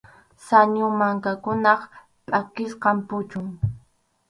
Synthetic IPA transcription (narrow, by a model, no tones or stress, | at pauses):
saɲʊmaŋkakʊnɑχ | pʼakɪsqɑmpʊt͡ʃʊŋ